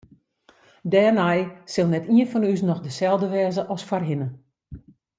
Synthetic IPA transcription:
dɛːnɛjsɪlˠnɛtʰiənfɔnysnɔxdəsɛlˠdəʋɛːzəʔɔsfarɦɪnə

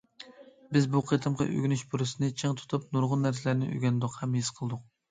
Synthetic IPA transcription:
bɪzbuqʰet̪ʰɨmqɑ̰ʔø̰ɡʲynyʃbuɾɨsɨnɨt͡ʃʰɨŋt̪ʰu̥t̪ʰup̚nuɾʁʊnːæɾsɪlæɾnɪʔø̰ɡʲɛnd̪ʊqhɛmhisqʰəlˠd̪ʊq̚

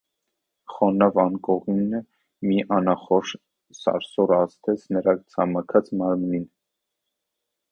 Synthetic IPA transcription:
χɔnɑvɑnkɔʁinə | miʔɑnɑχɔʃ | sɑ̰ɾsɔɾɑst̪ʰɛt͡sʰnəɾɑkt͡sʰɑmɑkʰɑt͡smɑɾmnin

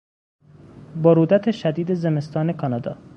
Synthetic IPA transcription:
boɾuːd̪æt̪ʰeʃæd̪iːd̪ezemest̪ʰɒːne̞kʰɒnɒd̪ɒ̰ː

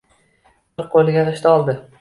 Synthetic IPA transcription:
ɪɾqʰolˠɪɡʲaɾɪʃt̪aɒlˠd̪ɪ

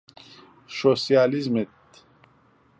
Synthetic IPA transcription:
ʃosijaːlizmet̪

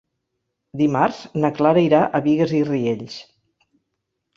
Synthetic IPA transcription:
d̪imaɾz̥nəklaɾəiɾaʔəβiɣəzirieʎs

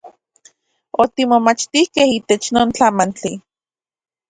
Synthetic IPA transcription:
ot̪imomat͡ʃt̪ihkehiːt̪et͡ʃnoːnt͡ɬamant͡ɬi

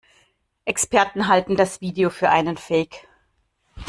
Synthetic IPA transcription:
ʔɛkspɛɐtn̩ɦaltn̩dasv̥iːdeofyːɐʔaɪnənfɛːk

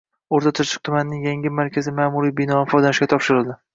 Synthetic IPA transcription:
oɾt̪ʰat̪ʰʊɾt͡ʃʰɪ̥q̚t̪ʰʊmanɪnɪŋjaŋʲɪmaɾkʲʰazɪmaːmuɾijbɪnɒɪfɒjd̪anɪʃkʲat̪ʰɒpʃɪɾɪlˠd̪ɪ

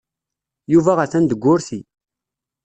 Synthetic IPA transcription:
juvæʁəθænd̪əɡʷːʊɾθi

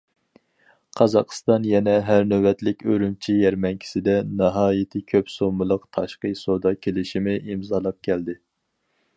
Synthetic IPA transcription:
qʰɑzɑqst̪ɑnjɛnɛɦæɾnøwɛt̪lɪkʲøɾymt͡ʃʰijɛɾmɛnkʲʰi̥sɪd̪ɛnɑɦɑːjit̪ʰɪkʲʰøpsomɨlˠəqt̪ʰɑʃqəjsod̪ɑkʲʰelɪʃimɪʔimzɑlˠɑp̚kʲʰɛld̪ɪ

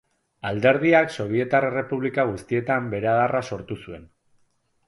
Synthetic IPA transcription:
ald̪e̞ɾð̞iakso̞β̞ie̞t̪arere̞puβlikaɣ̞ust̪ie̞t̪ambe̞ɾeaðarʔaso̞ɾt̪usue̞n

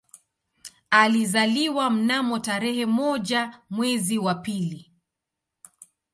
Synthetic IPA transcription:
alizaliwam̩namɔtaɾɛhɛmɔʄamwɛziwapili

